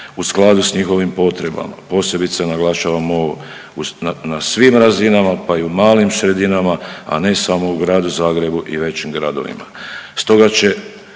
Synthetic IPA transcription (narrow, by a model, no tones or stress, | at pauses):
usklˠad̪usɲixo̞ʋimpo̞t̪ɾe̞ba̰ma̰po̞ːse̞bit̪senaɡlˠaʃaʋamo | uanasʋiːmɾazinamapaiumaːlimsɾe̞d̪inamaa̰ne̞samouɡɾaːd̪uzaːɡɾe̞buʔiʋe̞t͡ɕimɡɾad̪o̞̰ʋḭma̰st̪o̞ɡat͡ɕe̞